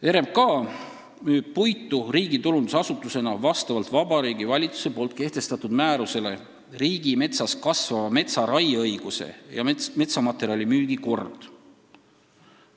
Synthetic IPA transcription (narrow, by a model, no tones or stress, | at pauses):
e̞ɾemkɑː | myːb̥̚pujt̪ˑːuriːɡ̥it̪ulund̪usɑsut̪ːˑuse̞nɑvɑst̪ɑvɑlt̪vɑbɑɾiːɡivɑlʲit̪su̥se̞po̞ːlt̪̚ke̞ht̪e̞st̪ɑt̪ːˑud̪̥mæːɾuse̞le̞ | riːɡ̥ime̞t̪sɑskɑsvɑvɑme̞t̪sɑɾɑjɤjɡ̥use̞̰jɑ̰me̞t̪sɑmɑt̪ːˑe̞ɾiɑlʲimyːɡ̥iko̞rd̪̥